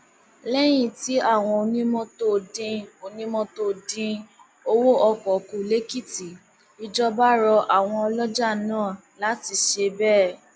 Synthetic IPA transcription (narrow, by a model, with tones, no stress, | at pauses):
lɛ˦j̃ĩ˦˨ti˨˦a˦˨w̃ɔ̃˧o˧nĩ˦mɔ̃˧to˦˨dĩ˧o˧nĩ˦mɔ̃˧to˧dĩ˧ | o˧wo˦ʔɔ˧kɔ˨kũ˨le˦ki˦˨ti˨ | i˧d͡ʒɔ˦ba˦ɾɔ˧ʔa˦˨w̃ɔ̃˧ɔ˧lɔ˦d͡ʒa˦˨nãː˦˨ | la˨˦ti˧ʃe˧bɛ˦